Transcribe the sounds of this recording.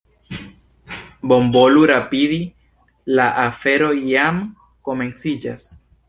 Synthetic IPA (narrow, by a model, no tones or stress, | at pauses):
bo̞mboluɾapiði | laʔafe̞ɾo̞jam | komẽ̞nsid͡ʒas